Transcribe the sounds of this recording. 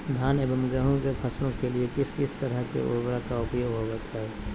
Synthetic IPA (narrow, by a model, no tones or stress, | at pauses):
d̪ʱaːneːbəmɡəɦõkepʰɐsnõkeliekɪskɪst̪əɾəɦkḛʔʊ̰ɾbɽakaʊpjoːɡɦoɡət̪ɦɛɛː